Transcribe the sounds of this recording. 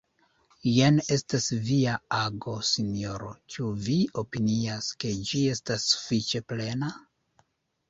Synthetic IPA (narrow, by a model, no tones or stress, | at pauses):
jene̞stasviaaɡo̞sinjo̞ɾo̞t͡ʃuvio̞piniaske̞d͡ʒie̞stasːu̥fit͡ʃe̞ple̞na